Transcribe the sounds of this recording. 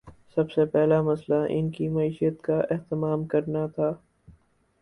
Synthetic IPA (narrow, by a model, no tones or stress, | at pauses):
sɐbsepɛɦlamɐslaʔɪ̰nkimɐiːʃijət̪kaʔeɦt̪ɪmaːmkɐɾnat̪ʰaː